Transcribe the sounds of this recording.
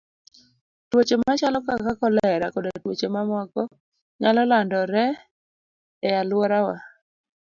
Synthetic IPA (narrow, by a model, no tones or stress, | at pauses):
twot͡ʃemat͡ʃalɔkakakɔlɛɾakɔdotwot͡ʃemamɔkɔ | ɲalɔlandɔɾɛ | ɛalwɔɾawa